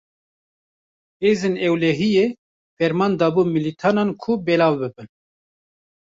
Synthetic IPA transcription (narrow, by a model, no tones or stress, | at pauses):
heːzenɛwlɛɦijeː | fɛɾmɑːnd̪ɑːbuːmilit̪ʰɑːnɑːnkʰubɛlɑːvbɨbɨn